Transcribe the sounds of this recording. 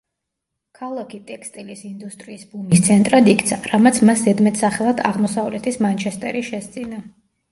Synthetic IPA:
kʰalˠakʰit̪ʼɛkʰst̪ʼilisind̪ust̪ʼɾiːsbumist̪sʰɛnt̪ʼɾad̪ikʰt̪sʰaɾamat̪sʰmaszɛd̪mɛt̪ʰsaχɛlˠad̪aʁmɔsavlɛt̪ʰismant͡ʃʰɛst̪ʼɛ̰ɾiʃɛst̪sʼina

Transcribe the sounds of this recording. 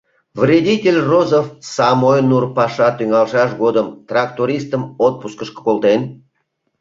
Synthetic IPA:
vrʲedʲitʲelʲrozofsɑmojnurpɑʃɑt̪yŋɑlʃɑʃɡod̪əmt̪rɑkt̪oɾʲist̪əmot̪̚puskəʃkə̥kolt̪en

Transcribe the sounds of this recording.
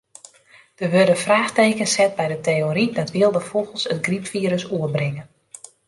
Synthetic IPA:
d̥əʋørdəfraːxteːkənsɛt̚bɛjdətejoɾidɔtʋɪəlˠdəfolˠɣəlˠsətɡripfiːɾəsuərbrɪŋən

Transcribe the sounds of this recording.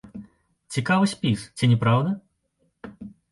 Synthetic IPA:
t͡sʲikavɨsʲpʲist͡sʲinʲɛpɾawd̪ɐ

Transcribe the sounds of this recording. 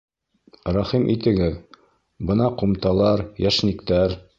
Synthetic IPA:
ɾɑχimʔḭt̪ɘ̆ɡɘð | bɤ̆nɑqumt̪ɑlˠɑɾjæʃnikt̪æɾ

